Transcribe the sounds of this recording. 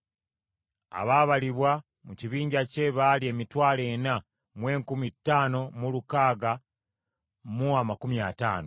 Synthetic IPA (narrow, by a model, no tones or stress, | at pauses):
a̰βaːβaliβwa | muciβiːɲɟace̞βalie̞ːmitwaːle̞na | mwe̞ːŋkumitːaːno̞mulukaːɡa | muamakumiata̰ːno